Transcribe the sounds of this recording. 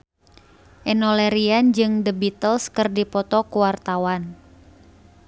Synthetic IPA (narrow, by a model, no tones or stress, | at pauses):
ʔɛnɔlɛɾiand͡ʒɨŋdəbit̪əlskərdipɔt̪ɔkuwart̪awan